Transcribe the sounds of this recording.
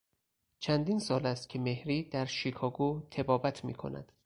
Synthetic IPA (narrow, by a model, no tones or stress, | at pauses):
t͡ʃʰænd̪iːnsɒːlæst̪̚cʲʰeme̞hɾiːd̪̥æɾʃikʰɒːɡuːt̪ʰe̞bɒːbæt̪ʰmḭːkʰo̞̰næ̰d̪̥